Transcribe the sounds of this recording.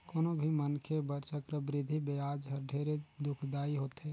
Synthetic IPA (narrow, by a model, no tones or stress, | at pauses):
koːnobʱimənkʰebəɾt͡ʃəkɾəbɾɪd̪ʱibead͡ʒɦəɾɖʱeɾed̪ʊkʰd̪aːiɦot̪ɦe